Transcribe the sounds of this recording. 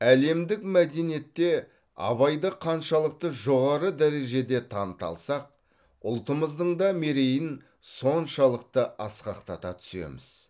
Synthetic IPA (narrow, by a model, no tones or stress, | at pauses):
æle̞md̪ɪkmæd̪e̞nije̞t̪ːe̞ | ɑ̰βɑjd̪əqʰɑnʃɑlˠəq̚t̪əʒo̞ʁɑɾəd̪æɾe̞ʒe̞d̪e̞t̪ʰɑnət̪ɑ̰lˠsɑq̚ | ʊlˠt̪əməzd̪əɴd̪ɑme̞ɾe̞jɪn | so̞nʃɑlˠəq̚t̪əɑsqɑqt̪ɑt̪ɑt̪ʰʏ̥se̞̰mɪ̰z̥